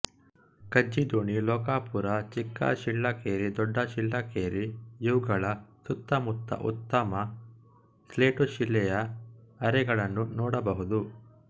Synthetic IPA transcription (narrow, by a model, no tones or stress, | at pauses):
kɐd͡ʒid̪oːɳilɔːkaːpuɾɐt͡ʃikːɐ̰ʃilːɐkeːɾid̪ɔɖːɐʃilːɐkeːɾijuwɡɐɭɐsut̪ːɐmut̪ːɐ̰ʔṵt̪ːɐmɐ | sleːʈuʃilːɛjɐɐɾɛɡɐɭɐnːunɔːɽɐbɐɦud̪u